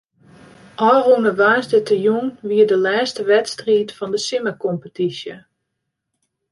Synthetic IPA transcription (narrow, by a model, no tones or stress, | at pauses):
ʔɔːronəʋaːsdətəjunʋiədəlɛːstəʋɛtstriːtfɔndəsɪməkɔmpətisjə